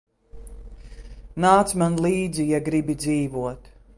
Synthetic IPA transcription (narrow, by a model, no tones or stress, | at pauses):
naːt̪smanlˠiːd̪zijaɡɾibid̪ziːvuɔt̪